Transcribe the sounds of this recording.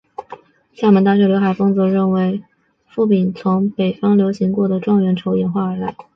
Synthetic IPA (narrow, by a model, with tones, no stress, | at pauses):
ɕja˥˩mə˧˥nt̪a˥˩ɕɥɛ˧˥ljo˧˥ʊxa˨˩ɪfɤ˥ŋt͡sɤ˧˥ɻə˥˩nwe˧˥ɪ | fu˥˩pi˨˩nt͡sʰʊ˧˥ŋpe˨˩ɪfɑ˥ŋljo˧˥ʊɕi˧˥ŋkwɔ˥˩d̪ə˩ʈ͡ʂwɑ˥˩ŋɥɛ˧˥nʈ͡ʂʰo˧˥ʊjɛ˨˩nxwa˥˩ə˞˧˥la˧˥ɪ